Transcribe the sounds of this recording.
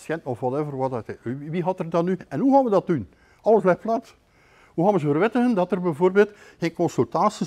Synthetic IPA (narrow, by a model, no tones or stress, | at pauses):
sjɛntɔfwɑtɛvərwɑttiʋiɦɑtərdɑnːyɛnɦuɣaːnʋədɑt̚dun | ʔɑləsblɛtflɑːt | huɣaːnʋəzəvərʋɪtəɣəndɑtərbɛjvoːrbeːlˠt | xeːnkɔnsʉlˠtaːsi